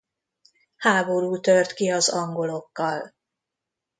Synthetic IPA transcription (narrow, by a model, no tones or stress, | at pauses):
haːbo̞ɾuːt̪ørt̪kiɒzɒŋɡo̞lo̞kːɒl